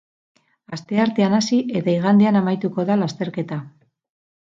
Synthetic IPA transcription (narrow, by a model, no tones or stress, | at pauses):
ast̪e̞aɾt̪e̞anasiʔe̞t̪aiɣ̞and̪eanamajt̪uko̞ðalast̪e̞ɾke̞t̪a